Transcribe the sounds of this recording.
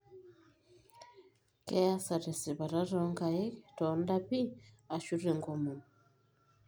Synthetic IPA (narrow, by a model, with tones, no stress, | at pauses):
kɛ˦a˦sa˨ɾe˨si˨βa˨ɾa˦ɾɔ˦ŋɡa˨e˦tɔ˨nda˦pi˦ | a˨ʃu˦ɾe˨ŋɡo˦mu˨